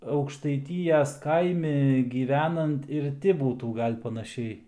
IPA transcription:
ɐʊkʃtɐɪˈtʲiːjɛs ˈkɐɪmʲɪ ɡʲiːˈʋʲæːnɐnt ɪr ˈtʲɪ ˈbuːtuː ˈɡɐlʲ pɐnɐˈʃʲɛɪ

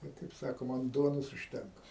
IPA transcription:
ˈbʲɛt kɐɪp ˈsɑːkoːmɐ ɐn ˈduɔnoːs ʊʃʲˈtʲɛŋkɐ

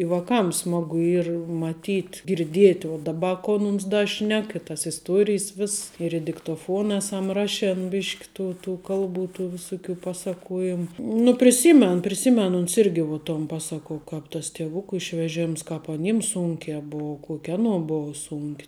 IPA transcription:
ɪ ʋɐˈkɐm ˈsmɑːɡʊ ˈiːr mɐˈtʲiːtʲ ɡʲɪrʲˈdʲiɛtʲ uɔ dɐˈbɐ ˈkoː ˈmʊms dɐ ˈʃʲnʲɛk ɪ tɐs ɪsˈtuɔrʲɪjs ˈʋʲɪss ɪr ɪ dʲɪktoːˈfuɔn ˈæːsɐm ˈrɑːʃʲɛn ˈbʲɪʃʲkʲ ˈtuː ˈtuː ˈkɐlˠˌbuː tuː ʋʲɪˈsʊˌkʲuː ˈpɑːˌsɑːkuɔjɪm nʊ pʲrʲɪˈsʲiːmʲɛn pʲrʲɪˈsʲiːmʲɛn ʊns ˈɪrʲɡʲɪ ʋuɔ toːn ˈpɑːsɐkoː ˈkɑːp tɐs tʲiɛˈʋʊkʊ ɪʃʲʋʲɛˈʒʲɛms kɑːp ɐˈnʲiːms ˈsuːŋʲkʲɛː ˈbuɔ ˈkuɔkʲ ˈɑːnuɔ buɔ ˈsuːŋʲkʲ

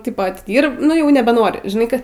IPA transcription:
tʲɪp ɐtʲɪˈdʲiːrp ˈnʊ jɛʊ nʲɛbʲɛˈnoːrʲɪ ʒʲɪˈnɐɪ ˈkɐ

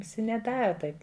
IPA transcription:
ʋʲɪˈsʲɪ nʲɛˈdɑːrɐ ˈtɐɪp

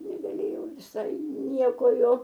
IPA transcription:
nʲɛɡɐˈlʲeːjɛʊ ʋʲɪˈsɐɪ ˈnʲiɛkoː ˈjoː

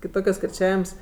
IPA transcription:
kʲɪˈtoːkʲoːs kʲɪrʲˈt͡ʃʲæːʋʲɪms

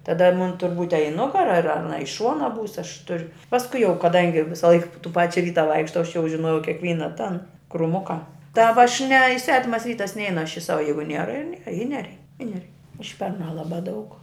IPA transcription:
tɐˈdɐ mʊn tʊr buːtʲ ɐ ɪ ˈnʊɡɐrɐ ɐr ɐˈnɐ ɪ ˈʃuɔnɐ buːs ɐʃ tʊrʲ pɐsˈkʊɪ jɛʊ kɐˈdɐŋʲɡʲɪ ˈʋʲɪsɐlˠɐɪk tuː ˈpɑːt͡ʃʲɛ ˈʋʲiːtɐ ˈʋɐɪkʃtɐʊ ɐʃ jɛʊ ʒʲɪˈnoːjɛʊ kʲɛkˈʋʲiːnɐ tɐn krʊˈmʊkɐ tɐ ʋɐ ɐʃ nʲɛ ɪ ˈsʲʋʲæːtʲɪmɐs ˈʋʲiːtɐs ˈnʲɛɪnʊ ɐʃ ɪ ˈsɑːʋɐ ˈjɛɪɡʊ ˈnʲiɛrɐ ɪr ˈnʲiɛrɐ ɪ ˈnʲæːrʲɛɪ ɪ nʲɛˈrʲɛɪ ˈʊʃʲpʲɛrnɑː ˈlˠɑːbɑː dɐʊk

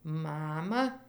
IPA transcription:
ˈmɑːmɐ

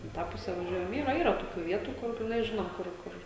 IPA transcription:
ɪ ˈtɑː ˈpʊsʲɛ ʋɐˈʒʲuɔjɛm ˈiːrɐ ˈiːrɐ toːˈkʲuː ˈʋʲiɛtuː ˈkʊr jɛs ˈʒʲɪnoːm ˈkʊr ˈkʊr

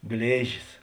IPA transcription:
ˈɡlʲeːʒʲɪs

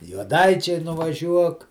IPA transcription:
juɔˈdɐɪt͡ʃʲɛɪ nʊʋɐˈʒʲuɔk

